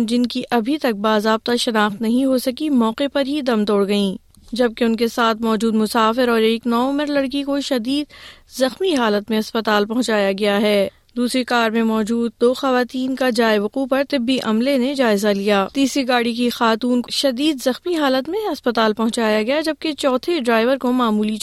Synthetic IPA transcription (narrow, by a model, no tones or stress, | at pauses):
d͡ʒɪnkiʔʔɐbʱit̪ɐk̚baːzaːb̚t̪aʃɐnaːxt̪nɐɦĩɦosɐkimɔːqepɐɾɦid̪ɐmt̪oːɽɡɐĩː | d͡ʒɐb̚keʊnkesaːt̪ʰmɔːd͡ʒuːd̪mʊsaːfɪɾɔːɾeːknɔːmɪɾlɐɽk̬ikoʃɐd̪iːd̪zɐxmiɦaːlət̪mẽɐspɐt̪aːlpɐɦʊ̃t͡ʃaːjaɡɐjaɦɛː | d̪uːsɾekaːɾmẽmɔːd͡ʒuːd̪̚d̪oːxɐʋaːt̪iːnkad͡ʒaːeʋʊquːpɐɾt̪ɪbːiʔɐmlened͡ʒaːɪzalijaːt̪iːsɾiɡaːɽik̬ixaːt̪uːnkʃɐd̪iːd̪zɐxmiɦaːlət̪mẽɐspɐt̪aːlpɐɦʊ̃t͡ʃaːjaɡɐjad͡ʒɐb̚ket͡ʃɔːt̪ʰeɖɾaːɪʋəɾkomaːmuːli